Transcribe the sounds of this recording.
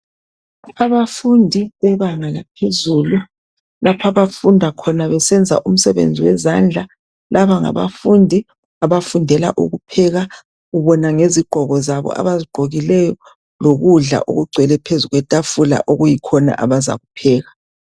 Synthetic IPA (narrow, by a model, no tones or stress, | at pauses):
aβafundʱiβɛβaŋalapʰezuːlu | lapʰaβafundʱakʰɔnaβɛsɛnd͡zʱa̰ʔum̩sɛβḛnd͡zʱiwɛzand͡ɮʱa | laβaŋa̰βa̰fundʱi | aβafundʱɛla̰ʔṵɣupʰɛɣa | ɣuβɔnaŋeziɡ͡ǃ̥ʱɔɣɔzaβɔ̰a̰βaziɡ͡ǃʱoɣilɛjɔ | loɣuɮa̰ʔo̰ɣuɡ͡ǀʱɛlɛpʰezuɣwɛtʼafula̰ʔoɣujikʰɔna̰ʔaβaza̰ɣupʰɛːɣa